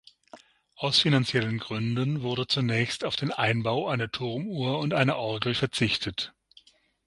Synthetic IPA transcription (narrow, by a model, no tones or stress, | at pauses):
ʔaʊsfinant͡sjɛlənɡʁʏndənvʊɐdət͡sunɛːçstaʊfd̥eːnʔaɪnbaʊʔaɪnɐtʰʊʁmuːɐʊntʔaɪnɐʔɔɐɡl̩fɛɐt͡sɪçtʰət